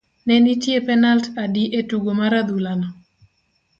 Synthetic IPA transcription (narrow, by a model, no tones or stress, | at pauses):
nɛnitjepɛnaltadiʔetuɡomaɾad̪ulanɔ